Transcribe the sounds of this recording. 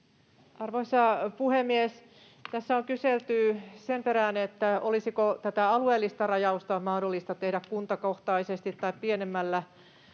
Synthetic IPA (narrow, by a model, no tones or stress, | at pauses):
ɑrʋoisɑpuhemːies | t̪æsːæoŋkyselt̪ysempeɾænet̪ːæolisikot̪æt̪æɑlueːlːist̪ɑrɑjɑust̪ɑmɑhdolːist̪ɑt̪ehdækkunt̪ɑkoht̪ɑisest̪it̪ːɑippienemːælːæ